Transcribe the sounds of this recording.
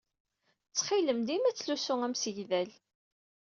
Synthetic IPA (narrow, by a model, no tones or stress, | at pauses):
t͡sːχiləmd̪imæt͡sːlusʊæmsəʝðæl